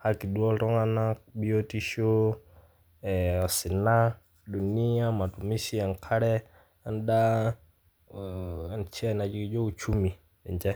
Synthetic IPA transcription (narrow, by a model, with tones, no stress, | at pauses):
ha˦ki˨ɗu˦ɔ˦ɾɔ˦ŋa˦na˦ɓi˦ɔ˦ti˦ʃɔ˦ | ɛa˨si˨na˦ | ɗu˨ni˦a˦ma˨tu˨mi˦si˦a˨ŋkʰa˦ɾɛ˦ | a˦nda˦˨ | nt͡ʃɛ˦ɛ˨na˨d͡ʒi˦ki˨˦d͡ʒɔ˦u˨t͡ʃu˦mi˨ | ɛ˨ɲd͡ʒɛ˦